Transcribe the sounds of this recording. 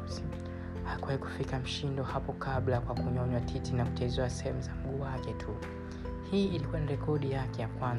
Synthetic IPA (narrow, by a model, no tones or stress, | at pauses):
akuwaiku̥fikam̩ʃindɔhapɔkaɓlakwakuɲɔɲwatʰitinaku̥t͡ʃɛzɛasɛhɛmuzam̩ɡuːwakɛtʰu | hiːilikuwaniɾɛkɔɗijakɛjakwan